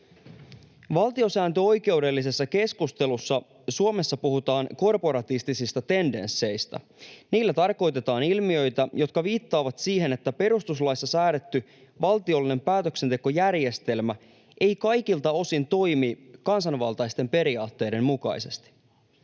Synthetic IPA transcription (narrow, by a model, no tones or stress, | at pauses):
ʋɑlt̪io̞sæːnt̪øo̞jke̞wde̞lːise̞sːɑke̞skust̪e̞lusːɑ | suome̞sːɑpuhut̪ɑːŋko̞rpo̞ɾɑt̪ist̪isist̪ɑt̪e̞nde̞̰nsːe̞jst̪æ̰ | niːlːæt̪ɑrko̞jt̪e̞t̪ɑːnilmiø̞jt̪æjo̞t̪̚kɑʋiːt̪ːɑːʋɑt̪siːɦe̞ne̞t̪ːæpe̞ɾust̪uslɑjsːɑsæːɾet̪ːy | ʋɑlt̪io̞lːine̞mpæːt̪økse̞nt̪e̞ko̞jærje̞st̪e̞lmæ | ʔe̞jkɑjkilt̪ɑo̞sint̪o̞jmikɑnsɑnʋɑlt̪ɑjst̪e̞mpe̞ɾiɑːt̪ːe̞jde̞mmukɑ̰jse̞st̪i̥